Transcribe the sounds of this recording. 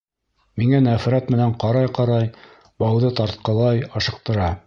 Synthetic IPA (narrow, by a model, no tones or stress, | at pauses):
miŋænæfɾæt̪mɘ̆næɴqɑɾɑjqɑɾɑj | bɑwðɤt̪ɑɾt̪̚qɤ̆lˠɑjɑʃɤ̆q̚t̪ɤ̆ɾɑ